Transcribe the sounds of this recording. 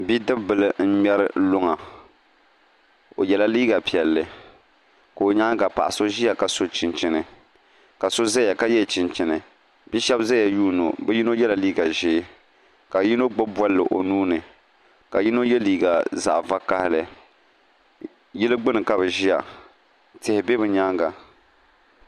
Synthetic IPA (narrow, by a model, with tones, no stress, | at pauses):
bi˦dɨ˦bbɨ˨lɨ˨n̩˦ɲɛ˦ɾɨ̰˦lʊ˦ŋa˨ | o˨jɛ˨la˦liː˦ɡa˨pi˨ɛ˨lːɨ˨ | ka˨o˨ɲa˦ɡa˨pa̰˨ʔa˨so˦ʒi˦a˨ka˨so˦t͡ʃɪ˨nt͡ʃɪ˦nɨ˨ | ka˨so˦za˦ja˨ka˦jɛ˦˨t͡ʃɪ˨nt͡ʃɪ˨nɨ˨ | bi˦ʃɛ˦bza˦a˨juː˦no̰˨bɛ˦ji˦no˦jɛ˦la˨liː˦ɡa˨ʒɪː˦ | ka˨ji˦no˦ɡ͡bʊ˦bwɔ˦lːɨ˨ʔo̰˨nuː˦nɨ˨ | ka˨ji˦no˦jɛ˦liː˨ɡa˨za̰˨ʔva˦ka˦hɪ˦lɨ˨ | jɪ˦lɨ˦ɡ͡bɨ˦nɨ˨ka˦bɨ˨ʒi˦ja˨ | tɪ˦hɪ˨bɛ˦bɨ˨ɲa˦ŋɡa˨